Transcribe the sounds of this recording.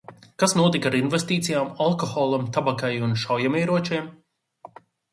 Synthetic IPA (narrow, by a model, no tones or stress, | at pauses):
kasnuɔt̪ikaɾinvest̪iːt̪sijaːmalˠkɔxɔːlˠamt̪abakajunʃawjameːɾuɔt͡ʃiɛm